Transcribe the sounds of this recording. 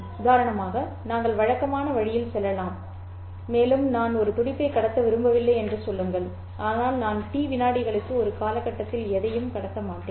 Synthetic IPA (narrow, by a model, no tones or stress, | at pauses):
d̪aːɾɐɳɐmaːɣɐ | naːŋɡɐɭʋɐɻɐkːɐmaːnɐʋɐɻɪjɪlsɛlːɐlaːmː | eːlɯmnaːnɔɾɯt̪ʊɽɪpːɐɪkːɐɽɐt̪ːɐʋɪɾɯmbɐʋɪlːɐɪɛndrɯsɔlːɯŋɡɐɭ | ʔaːnaːlnaːnʈiːʋɪnaːɽɪɣɐɭɯkːɯɔɾɯkaːlɐkːɐʈːɐt̪ːɪlɛðɐjɯmkɐɽɐt̪ːɐmaːʈːeːn